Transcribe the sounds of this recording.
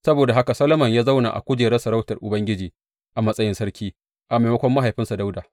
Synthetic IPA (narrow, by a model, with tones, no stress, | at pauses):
sɐ˦boː˨da˨ɦa˦ka˨sɐ˦lɐ˦mɐ˨ɲjaː˦za˦wna̰˨ʔa̰˨kʷʊ˦d͡ʒeː˨ɾɛ˦sɐ˨ɾa˦wtɐ˨rʔʊ˨bɐ˦ŋɡʲɪ˦d͡ʒiː˨ | ʔa˨mɐ˦sʼɐ˦jɪ˦nsɐ˦ɾkʲiː˦ | ʔa˨ma˨mɐ˦kʷɔ˦mːa˦ɦa˨jɸɪ˦nsa˨da˦wdaː˨